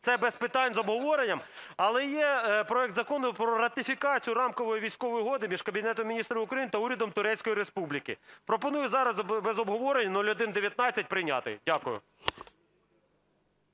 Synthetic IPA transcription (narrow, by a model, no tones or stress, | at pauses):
t̪sɛbɛspɪt̪ɑnʲzɔbɦɔʋɔɾenʲːɐmɐlˠɛjɛpɾɔɛkt̪zɐkɔnʊpɾɔɾɐt̪ɪfʲikɑt͡sʲijʊɾɑmkɔʋɔjiʋʲijsʲkɔʋɔjʊɦɔd̪ɪmʲiʒkɐbʲinɛt̪ɔmʲinʲist̪ɾɐmɪʊkɾɐjinɪt̪ɐuɾʲɐd̪ɔmt̪ʊɾɛt͡sʲkɔjiɾespublʲikɪ̰pɾɔpɔnujʊzɑɾɐzbezɔbɦɔʋɔɾenʲːɐnɔlʲʊd̪ɪnd̪eʋʲjɐt̪nɑt͡sʲːɐt̚ʲpɾɪjnʲɑ̰t̪ɪ̰jdʲakʊjʊ̰